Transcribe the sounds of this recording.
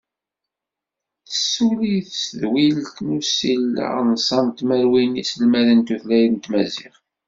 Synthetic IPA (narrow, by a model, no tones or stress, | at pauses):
θə̥sːuliθsəðwilt̪nusil̰nsˤɑnt̪məɾwinisəlmæðənt̪uθlæjðənt̪mæzḭχ